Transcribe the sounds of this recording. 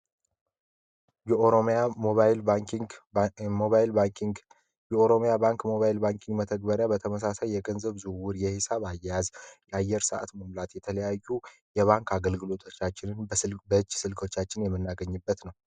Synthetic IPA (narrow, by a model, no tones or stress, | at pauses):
ɾoa | moβal | jɛoɾo̞mijabaŋkmoβajlbaŋkiŋɡmət̪ʰəɡ̚bəɾjabət̪ʰəməs̬asajːɛɡənzəβzuwʊɾjɛhɪsaβajːɛjazjɛajːɛɾsəʔa̰t̪məmlat̪jɛt̪ʰələjajːujɛβaŋkʰaɡəlɡɨlo̞t̪ʰot͡ʃːat͡ʃːɪnɨnbəɨt͡ʃːsɨlkʰot͡ʃːat͡ʃːɪnjɛmːɨnːaɡəɲːɨbːət̪nəw